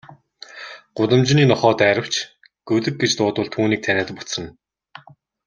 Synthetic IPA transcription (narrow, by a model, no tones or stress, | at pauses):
ɢ̥ʊt̪ə̆mt͡ɕniːnɔχɔːt̪æːɾə̆w̥t͡ɕʰ | ɡ̥ɵɮɘ̆k̚ɡet͡ɕt̪ʊːt̪ʊ̆ːɮt̪ʰuːniːk̚t̪ʰænʲæːt̪ə̆pʊ̥t͡sə̆n